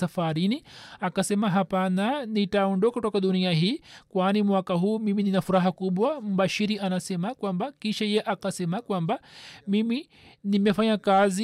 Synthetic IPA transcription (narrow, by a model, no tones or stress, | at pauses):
afaɾiniakasɛmaɦapananitaɔndɔkakutɔkaɗuniaɦiːkwanimwakaɦuːmimininafuɾaɦakuɓwam̩ɓaʃiɾianasɛmakwambakiʃajɛʔakasɛmakwambamimi | nimɛfaɲakazi